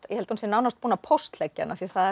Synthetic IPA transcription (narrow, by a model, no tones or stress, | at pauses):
jɛhɛlt̪hunsjɛnaːwnast̪puːnapʰowst̪lɛcːa̰naθiɛθaɛ